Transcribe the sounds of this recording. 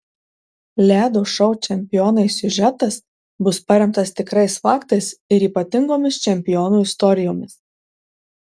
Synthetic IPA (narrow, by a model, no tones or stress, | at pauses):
lʲæːd̪oːʃɐʊt͡ʃʲɛmʲpʲɪjoːnɐɪsʲʊʒʲɛt̪ɐs | bʊspɐɾʲɛmt̪ɐst̪ʲɪkɾɐɪsfɑːkt̪ɐɪsɪɾiːpɐt̪ʲɪŋɡoːmʲɪst͡ʃʲɛmʲpʲɪjoːnuːɪst̪ɔɾʲɪjoːmʲɪs